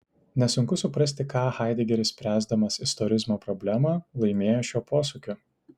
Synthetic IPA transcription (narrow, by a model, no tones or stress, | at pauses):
nʲɛsʊŋkʊsʊpɾɐsʲt̪ʲɪkɑːxɑɪd̪ʲɪɡʲɛɾʲɪsʲpʲɾʲæːzd̪ɐmɐsɪst̪ɔɾʲɪzmoːpɾɔbʲlʲæmɑːlˠɐɪmʲeːjoːʃʲoːpoːsʊkʲʊ